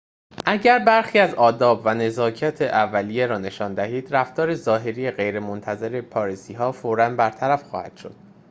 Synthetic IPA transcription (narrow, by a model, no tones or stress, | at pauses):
ʔæɟæɾbæɾxiːæzɒːd̪ɒːbvæne̞zɒːcʰɒːt̪ʰeʔævːælije̞ɾɒːne̞ʃɒːnd̪æhiːd̪ɾæft̪ɒːɾe̞zɒːɦe̞ɾijeɣe̞jɾemont̪ʰæze̞ɾe̞pʰɒːɾisiːɦɒːfoːɾænbæɾt̪ʰæɾæfxɒ̰ːhæ̰d̪̥ʃo̞̰d̪̥